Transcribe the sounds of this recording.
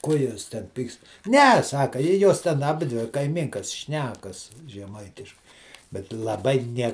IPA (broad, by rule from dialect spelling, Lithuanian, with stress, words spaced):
ˈkoː ˈjuɔs tʲɛn ˈpʲiːkst ˈnʲɛ ˈsɑːkɐ ɪ ˈjoːs tʲɛn ɐˈbʲɪdʲʋʲɪ kɐɪˈmʲiːŋkɐs ˈʃʲnʲæːkɐs ʒʲɛˈmɐɪtʲɪʃkɐɪ bʲɛt lˠɐˈbɐɪ ˈnʲiɛ